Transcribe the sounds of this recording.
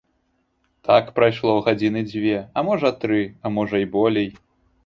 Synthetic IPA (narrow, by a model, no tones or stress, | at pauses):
t̪ʰakpɾajʂlˠɔwɣad͡zʲinɨd͡zʲvʲɛɐmɔʐɐt̪ɾɨɐmɔʐɐibɔlʲɛj